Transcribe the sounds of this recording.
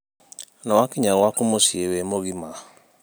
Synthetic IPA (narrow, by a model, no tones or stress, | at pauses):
nawakiɲawakumosiewemoɣima